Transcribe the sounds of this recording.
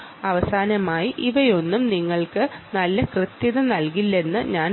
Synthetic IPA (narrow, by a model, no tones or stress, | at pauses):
ɐʋɐsaːnɐmaːjiʔiʋɐjo̞nːumniŋːɐɭkɨnɐlːɐkrɨt̪jɐðɐnɐlkilːe̞nːɨɲaːn